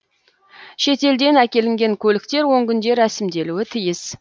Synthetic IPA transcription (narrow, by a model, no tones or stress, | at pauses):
ʃe̞t̪e̞ld̪e̞nækʲe̞lɪŋɡʲe̞ŋkʲʰɵlɪkt̪e̞ɾwo̞ŋkʲʏnd̪e̞ɾæsɪmd̪e̞luwɪt̪ʰijɪz̥